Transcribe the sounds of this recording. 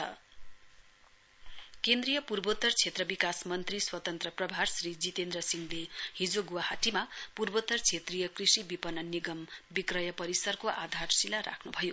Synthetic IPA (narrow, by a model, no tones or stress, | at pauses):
ʌ̰ | kend̪rijʌpurbot̪ʌrt͡sʰet̪rʌbikasmʌnt̪riswʌt̪ʌnt̪rʌprʌbʱarsrid͡zit̪end̪rʌsiŋlehid͡zoɡuwahaʈimapurbot̪ːʌrt͡sʰet̪rijʌkrisibipʌnːʌniɡʌmbikrʌjʌpʌɾisʌrkoʔad̪ʱarsilaɾa̰kʰnubʱʌjo